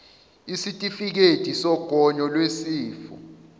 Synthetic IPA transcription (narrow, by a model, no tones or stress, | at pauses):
isitʼifik̬etʼisɔɡ̥ʱɔɲɔlwesiːfṵ